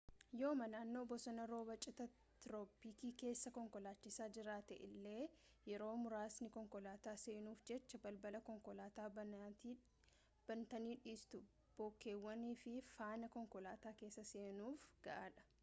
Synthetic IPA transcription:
jo̞ːmɐnaːnːoːbɔsɐnɐɾo̞ːbɐt͡ʃʼɪt̪ɐ | t̪ɾoːpiːkiːke̞ːsːɐkɔŋkɔlaːt͡ʃːɪsaːd͡ʒɪɾaːt̪ɛʔɪlːe̞ː | jɛɾo̞ːmʊɾaːsnɪkɔŋkɔlaːt̪aːse̞ːnuːfd͡ʒɛt͡ʃːɐbɐlbɐlɐkɔŋkɔlaːt̪aː | b̥ɐnt̪ɐniːᶑiːst̪ʊ | b̥oːkːe̞ːwːɐniːfɪfaːnɐkɔŋkɔlaːt̪aːkeːsːɐse̞ːnuːfɡ̥ɐʔaːᶑɐ̥

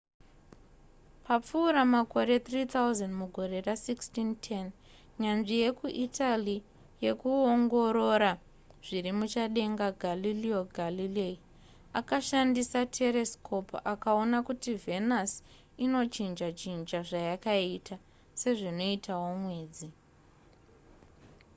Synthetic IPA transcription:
pap͡fuːɾamako̞ɾe̞t̪rit̪ʰauzanmuɡʱo̞ɾe̞rasikstintʰen | ɲanʐije̞kuʔitʰali | je̞kuoŋɡo̞ɾo̞ɾa | ʐ̥iɾimut͡ʃaɗe̞ŋɡaɡʱalilioɡʱalilei | akaʃandisatʰe̞ɾeskʰo̞pakao̞nakutive̞nas | ino̞t͡ʃind͡ʒat͡ʃind͡ʒaʐajakaitʰa | se̞ʐino̞itʰawo̞mwe̞ːd͡zi

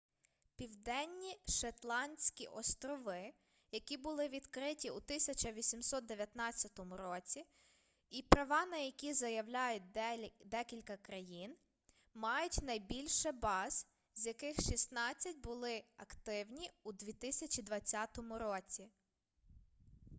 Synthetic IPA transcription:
pʲiwd̪ɛnʲːiʃɐt̪lˠɑnʲsʲkʲiʔɔst̪ɾɔʋɪ | jɐkʲibʊlˠɪʋʲid̪kɾɪtʲiut̪ɪsʲɐt͡ʃɐʋʲisʲimsɔt̪̚d̪eʋʲjɐt̪nɑt͡sʲːɐt̪ɔmʊɾɔt͡sʲi | ipɾɐʋɑnɐjɐkʲizɐjɐwlʲajʊt̚ʲd̪ɛkʲilʲkɐkɾɐjin | mɑjʊtʲnɐjbʲilʲʃɛbɑz̥ | zʲjɐkɪxʃist̪nɑt͡sʲːɐt̚ʲbʊlˠɪɐkt̪ɪwnʲiud̪ʋʲit̪ɪsʲɐt͡ʃid̪ʋɐt͡sʲːat̪ɔmʊɾɔt͡sʲi

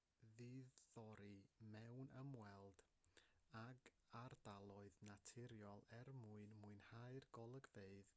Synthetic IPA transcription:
ðiðːɔɾimɛwnəmwɛlˠd̥ | aɡ | ardalˠɔɨðnatʰɪɾjɔlˠɛrmuɨnmuɨnhaɨrɡ̥ɔlˠəɡveɨð

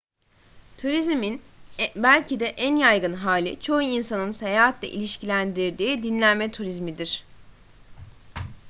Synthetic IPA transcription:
t̪ʰuɾizmin | bælʲcʰid̪ɛʔænjajɡɯnɦaːlʲit͡ʃʰo̞uinsanɯnsejaɦat̪ʰlʲɛ̰ʔḭlʲiʃcilʲænd̪iɾd̪iːd̪inlʲænmɛt̪ʰuɾizmid̪iɾ̥

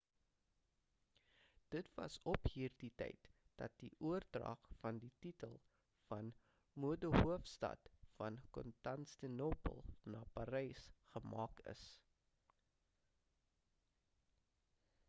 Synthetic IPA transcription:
d̥ətvɐ̰sɔpɦiːrditɛ̰jtd̥ɐ̰t̚diʔuərdrɐ̰χfɐndititəlˠ | fɐn | muədoɦuəfstɐ̰tfɐnkɔ̰ntɐnstənopə̰lˠnɑːpɐɾɛjsχəmɑːkə̰s

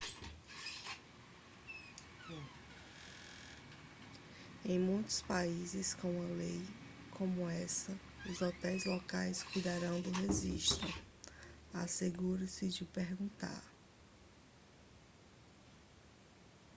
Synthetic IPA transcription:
ẽj̃mũj̃t̪ʊ̥spaizɪskõw̃ɐlej | kʰõmʊɛsɐ | ʊzɔt̪ɛjzlɔkajskujd̪aɾɐ̃w̃d̪ʊɦeziʃt̪ʊ | aseɡuɾɐsɪd͡ʒɪʊpeɾɡũnt̪a̰ɾ

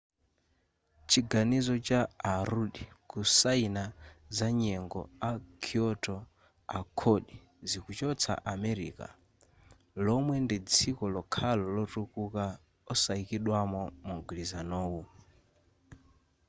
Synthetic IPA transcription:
t͡ʃʰiɡanizɔt͡ʃaaɾuɗikusainazaɲɛŋɡɔ̰akʰiɔtʰɔ | a̰kʰɔɗi | zikut͡ʃɔt͡sʰa̰ʔamɛɾḭːka̰ | lɔmwɛndid͡zʰikɔlɔkʰalɔlɔtukuka | ɔsaikiɗwamɔmuŋɡlizanɔːwu

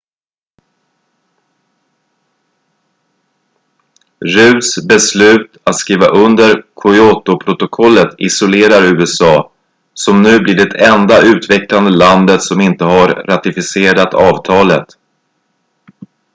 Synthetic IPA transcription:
ɾʉ̟ːsbɛslʉ̟ːt̪at̪skiːvaʔɵnd̪əɾkʰʊjot̪ʊpʰɾʊt̪ʊkʰɔlːət̪ɪsʊleːɾaɾʉ̟ːɛsɑː | sɔmnʉ̟ːblɪɖɛt̪ʰɛnd̪aʉ̟ːt̪vɛkland̪əland̪ət̪sɔmɪnt̪əhaɾːat̪ɪfɪseːɾat̪ɑːvt̪ʰɑːlət̪

